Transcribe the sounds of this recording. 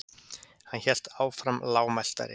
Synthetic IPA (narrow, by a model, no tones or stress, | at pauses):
hançɛl̥t̪aːwfɾamlaːwmajl̥t̪a̰ɾɪ̰